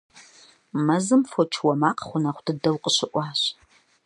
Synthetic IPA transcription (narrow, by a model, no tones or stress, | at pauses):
mɐzɨmfot͡ʃʰwɐmaːqχʷʊnɐχʷʊd̥ɨdɐwqʼəɕɪʔʷɑːɕ